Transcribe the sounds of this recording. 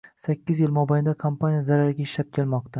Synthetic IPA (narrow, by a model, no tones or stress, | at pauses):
sakʲːɪzjɪlmɒbajɪnd̪akʰompʰanijazaɾaɾɪɡʲaɪʃlap̚kʲʰe̞lmɒq̚t̪ʰa